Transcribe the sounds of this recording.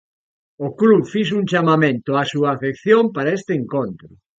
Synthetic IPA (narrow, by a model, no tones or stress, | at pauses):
oklufis̬uŋt͡ʃamamẽnt̪ʊasuaːfekθjompaɾaest̪ɪeŋkont̪ɾʊ